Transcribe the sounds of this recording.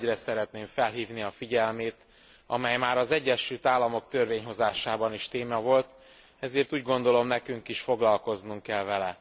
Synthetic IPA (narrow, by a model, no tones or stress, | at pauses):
rɛsɛɾɛt̪neːɱfɛlɦiːvniɒfiɟɛlmeːt̪ | ɒ̰mɛjmaːɾɒzɛɟːɛʃylt̪aːlːɒmo̞k̚t̪ørveːɲɦo̞zaːʃaːbɒniʃt̪eːmɒvo̞lt̪ | ɛzeːrt̪uːɟɡo̞nd̪o̞lo̞mnɛkyŋkiʃfo̞ɡlɒlko̞znuŋkːɛlvɛlɛ